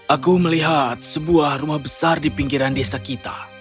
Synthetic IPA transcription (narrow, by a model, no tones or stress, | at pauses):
ʔakuməliɦat̪̚səbuahrumahbəsardipiŋɡiɾandesakit̪a̰